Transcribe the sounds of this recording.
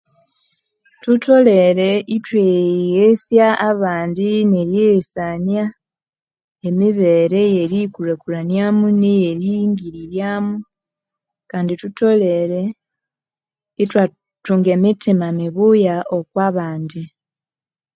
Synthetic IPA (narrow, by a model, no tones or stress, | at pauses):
tuto̞le̞ɾe̞itwejesjaːβaːndineɾjesanja | e̞miβe̞ːɾe̞je̞ɾikulekulanjamunijeɾiŋɡiɾiɾjaːmu | kaːndituto̞le̞ɾe̞ | itwa | tuŋɡe̞ːmitimamiβujaʔo̞kwaːβaːndi